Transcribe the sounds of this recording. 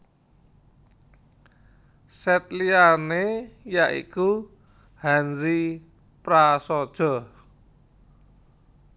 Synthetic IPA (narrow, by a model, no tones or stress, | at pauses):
sɛt̪̚lianejaʔḭku | hanzi | pɾasɔd̥ʒ̥ɔ̤